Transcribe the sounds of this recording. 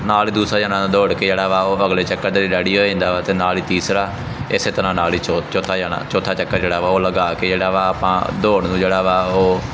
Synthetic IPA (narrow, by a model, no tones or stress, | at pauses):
naːliːd̪uːsɾaːd͡ʒaːnãːd̪oːɽkeːd͡ʒeːɽaːʋaːoːəɡleːt͡ʃəkːəɾd̪eːɾiːɖɛːɽiːɦoːiːɪ̃nd̪aːʋaːt̪eːnaːliːt̪iːsɾaː | ɪseːt̪əɾãːnaːliːt͡ʃot͡ʃoːt̪ʰaːd͡ʒaːnã̰ːt͡ʃoːt̪ʰaːt͡ʃəkːəɾd͡ʒeːɽaːʋaːoːləɡaːkeːd͡ʒeːɽaːʋaːaːpã̰ːd̪oːɽnũːd͡ʒeːɽaːʋaːoː